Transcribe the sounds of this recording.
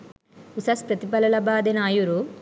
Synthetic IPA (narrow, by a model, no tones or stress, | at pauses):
usɐspɾɐt̪ipɐlɐlɐbaːd̪enaːjuɾu